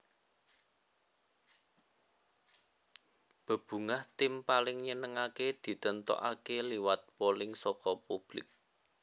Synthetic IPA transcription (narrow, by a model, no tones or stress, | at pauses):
b̥ə̤b̥ṳŋaht̪ɪmpalɪŋɲənəŋaked̪̥i̤t̪ənt̪ɔ̰ʔakeliwat̪̚polɪŋsɔkɔpub̥lɪ̰k̚